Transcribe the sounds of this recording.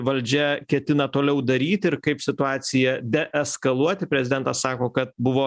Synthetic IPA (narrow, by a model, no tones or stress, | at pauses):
ʋɐlʲd͡ʒʲɛkʲɛt̪ʲɪnɐt̪oːlʲɛʊd̪ɐɾʲiːt̪ʲɪɾkɐɪpsʲɪt̪ʊɑːsʲɪjɛd̪ʲɛʔɛskɐlˠuɔt̪ʲɪpʲɾʲɛzʲɪd̪ʲɛnt̪ɐssɑːkoːkɐt̪̚bʊʋoː